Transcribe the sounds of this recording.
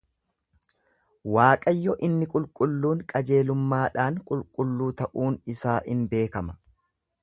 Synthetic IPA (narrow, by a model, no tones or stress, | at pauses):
waːkʼɐjːɔʔɪnːɪkʼʊlkʼʊlːuːŋkʼɐd͡ʒe̞ːlʊmːaːᶑaːŋkʼʊlkʼʊlːuːt̪ɐʔuːnɪsaːʔɪnbe̞ːkɐmɐ